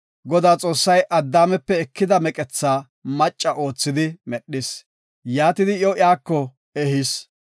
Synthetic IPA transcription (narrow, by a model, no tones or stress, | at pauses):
ɡɔd̪aːt͡sʼo̞ːsːɐjʔɐd̪ːaːmɛpːɛɛkːɪd̪ɐmɛkʼɛt͡sːaː | mɐt͡ʃʼːɐʔo̞ːt͡sːɪd̪ɪmɛɗːɪs | jaːt̪ɪd̪ɪjoɪaːkːɔ | ɛhɪs